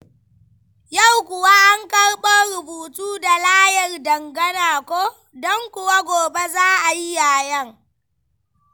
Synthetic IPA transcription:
ja˦˨wkʷʊ˨wa˦ʔa˦ŋkɐ˦rɓo˦ɾʊ˨buː˨tuː˦da˨laː˦jɐ˨rdɐ˨ŋɡɐ˦naː˨kʷoː˦ | dɔ˦ŋkʷʊ˨wa˦ɡʷoː˨be˦zaː˦ʔa˨ji˦jaː˨jɐ˦ŋ

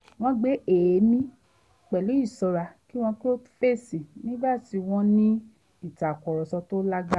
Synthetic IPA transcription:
w̃ɔ̃˧ɡ͡be˨˦e˨˦mĩ˦ | k͡pɛ˨lu˨˦i˦˨sɔ˧ɾa˧ki˦w̃ɔ̃˧ki˦o˦tu̥˦fe˦˨sĩ˨nĩ˦ba˦˨ti˧w̃ɔ̃˧nĩ˦ | i˦˨ta˨kɔ˨ɾɔ˨sɔ˧to˦la˦ɡa˦

